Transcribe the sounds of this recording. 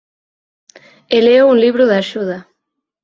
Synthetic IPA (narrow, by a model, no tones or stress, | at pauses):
eleounliβɾuðaʃuða